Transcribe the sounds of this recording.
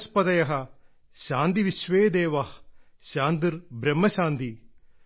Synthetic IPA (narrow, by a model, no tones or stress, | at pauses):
spɐd̪ɐjɐɦɐ̆ | ɕaːnd̪iʋiʃʋeːd̪eːʋɐh | ɕaːnd̪iɾbɾɐmːɐɕaːnd̪i